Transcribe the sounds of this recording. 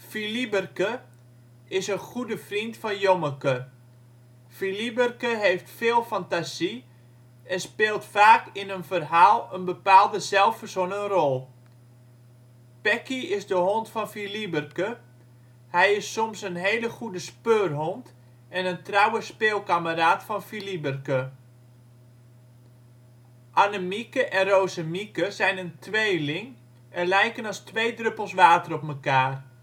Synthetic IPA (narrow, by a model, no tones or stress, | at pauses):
filibərkə | ɪsəχudəfrintfɔnjoməkə | filibərkəɦejftfeːlˠfantasi | ɛnspeːlˠtfaːkɪnənfərɦaːlˠənbəpaːlˠdəsɛlˠfərsonəŋərɔlˠ | pɛkiɪsdəhontfɔnfilibərkə | hɛjɪsːomsənɦeːləχudəspøːrɦɔnt | ɛnəntrawəspeːlˠkaməɾaːtfɔnfilibərkə | ʔanəmikəʔɛnroːsəmikəzɛjnəntʰʋeːlɪŋ | ɛnlɛjkənɑstʋeːdrøpəlˠsʋaːtərɔpməkaːr